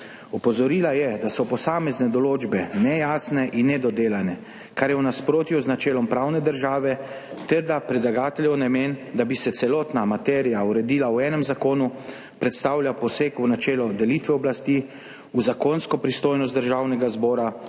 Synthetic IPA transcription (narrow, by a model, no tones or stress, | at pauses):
ɔpɔzɔɾiːlajɛd̪asɔpɔsaːmɛznɛd̪ɔloːd͡ʒbɛnɛjaːsnɛʔinːɛd̪ɔd̪eːlanɛ | kaɾjɛwnaspɾoːt̪juznat͡ʃɛːlɔmpɾawnɛd̪əɾʒaːʋɛ | t̪ɛɾd̪apɾɛd̪laɡaːt̪ɛljɛwnamend̪abisɛt̪sɛlɔːt̪namat̪ɛːɾijauɾɛd̪iːlawɛːnɛmzakoːnu | pɾɛt̪st̪aːwlʲjapɔseːkunat͡ʃɛːlɔd̪ɛlit̪ʋɛɔblast̪i | uzakonskɔpɾist̪oːjnɔst̪d̪əɾʒawnɛɡazbɔːɾa